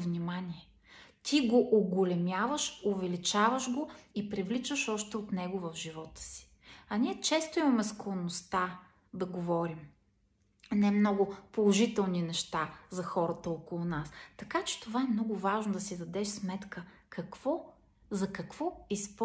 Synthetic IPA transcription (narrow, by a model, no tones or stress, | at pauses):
vnimanʲiɛ | t̪ʰiɡoʔʊɡolɛmʲjavəʃovɛlit͡ʃavəʃɡoipɾivlit͡ʃəʃɔʃt̪ɛot̪nɛɡovɐvʒivɔt̪ə̥si̥ | ɐniɛt͡ʃɛst̪oimɐmɛsklˠonost̪a | d̪ɐɡovɔɾim | nɛmnɔɡʊpolˠoʒit̪ɛlˠninɛʃt̪azɐxɔɾət̪əokolˠʊnast̪ɐkat͡ʃɛ̥t̪ovaɛmnɔɡʊvaʒnod̪ɐsid̪ɐd̪ɛʃsmɛt̪kə | kʰɐkv̥ɔ | zɐkɐkvɔisp